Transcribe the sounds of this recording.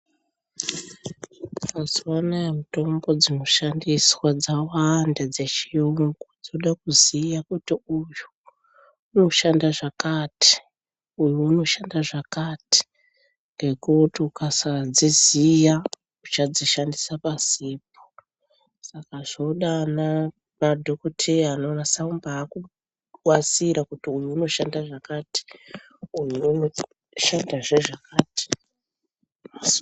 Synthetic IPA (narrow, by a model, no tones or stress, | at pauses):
kazwanaemito̞mbo̞d͡zinoʃandiswad͡zawandad͡ze̞t͡ʃiuŋɡud͡zoɗakuzijakutiujuː | no̞ʃandaʐakati̥ | ujuuno̞ʃandaʐakati̥ | ŋɡe̞kutiukasad͡zizija | ut͡ʃad͡ziʃandisapasiːp̚o̥ | sakaʐ̥oɗana | madʱo̞kotʰeano̞ːnasaumbaːku | wat͡siɾakutiujuuno̞ʃandaʐakaːti̥ | ujunoo | ʃandaʐeʐakaːti̥